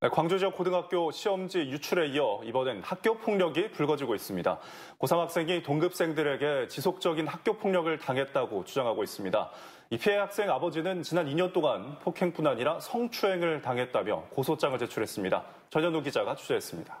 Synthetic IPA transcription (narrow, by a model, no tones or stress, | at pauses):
nekwaŋd͡ʑod͡ʑiʌk͈ːodɯŋɦak̚k͈joɕʰiʌmd͡ʑijut͡ɕʰuɾe̞iʌibʌnenhak̚k͈jopʰoŋɲʌɡipuɭɡʌd͡ʑiɡois͈ɯmɲida̰ | kosʰamɦak̚s͈e̞ŋitoŋɡɯp̚s͈e̞ŋdɯɾe̞ɡe̞t͡ɕisʰok̚t͡ɕ͈ʌɡinhak̚k͈jopʰoŋɲʌɡɯɭtaŋɦe̞t̚t͈aɡot͡ɕʰud͡ʑaŋɦaɡois͈ɯmɲida̰ | ipʰiehak̚s͈e̞ŋabʌd͡ʑinɯnt͡ɕinaniɲʌnt͈oŋanpʰokʰeŋp͈unaɲiɾasʰʌŋt͡ɕʰue̞ŋɯɭtaŋɦe̞t̚t͈amjʌkosʰot͡ɕ͈aŋɯɭt͡ɕe̞t͡ɕʰuɾe̞s͈ɯmɲida̰ | t͡ɕʌɲʌnoɡid͡ʑaɡat͡ɕʰud͡ʑeɦes͈ɯmɲid̥ḁ